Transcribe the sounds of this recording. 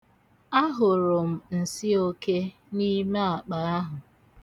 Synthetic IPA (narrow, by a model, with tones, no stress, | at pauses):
a˦ɦʊ˨ɾʊ˨m̩˨n̩˨si˦o˦ke˦ | ni˦me˦a˨k͡pa˨a˦ɦʊ˨